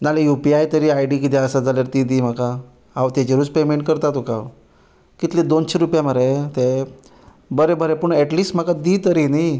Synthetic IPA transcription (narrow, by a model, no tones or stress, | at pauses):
nalejupiajt̪əɾiːajɖikit̪̬ɛəsad͡zʱaljaɾt̪id̪iːm̤aka | awt̪jat͡ɕeɾuːt͡spemeɳʈkəɾt̪at̪okaw | kit̪led̪onɕeɾupjam̤əɾet̪e | bəɾebəɾepuɳɛʈliːsʈm̤akad̪it̪əɾini